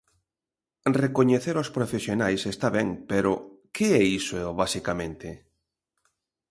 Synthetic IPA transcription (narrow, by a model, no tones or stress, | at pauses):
rekoɲeθeɾospɾofesjonajsest̪aβɛŋpeɾʊkɪɛisoeoβasikamẽnt̪ɪ